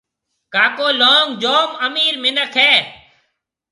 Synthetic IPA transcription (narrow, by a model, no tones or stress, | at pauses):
kaːkoːloːŋd͡ʒoːməmiːɾmɪnəkʰɦɛː